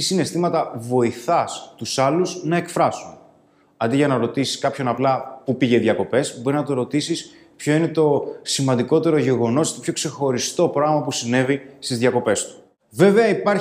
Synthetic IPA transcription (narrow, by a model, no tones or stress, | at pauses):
isine̞st̪imɐt̪ɐvo̞iθɐst̪usɐluznɐe̞kfɾɐsun | ɐnd̪iʝɐnɐɾo̞t̪isi̥skɐpço̞nɐplɐpupiʝe̞ðjɐko̞pe̞sbo̞ɾiznɐt̪o̞ɾo̞t̪isis | pço̞ine̞t̪o̞simɐnd̪iko̞t̪e̞ɾo̞ʝe̞ɣo̞no̞set̪o̞pʰço̞kse̞xo̞ɾist̪o̞pɾɐɣmɐpusine̞vist̪izðʝɐko̞pe̞st̪u̥ | ve̞ve̞ɐipɐɾ